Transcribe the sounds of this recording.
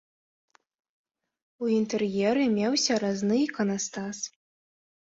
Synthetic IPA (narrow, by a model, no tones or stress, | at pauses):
uint̪ɛrjɛɾɨmʲɛwsʲɐɾaznɨikɐnɐst̪as